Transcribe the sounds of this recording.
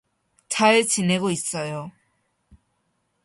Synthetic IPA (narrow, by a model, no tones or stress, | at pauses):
t͡ɕʰat͡ɕineɡois͈ʌjo